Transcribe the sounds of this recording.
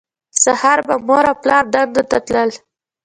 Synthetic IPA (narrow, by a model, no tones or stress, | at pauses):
sahaɾbamoɾaplɑɾd̪and̪ot̪at̪ləl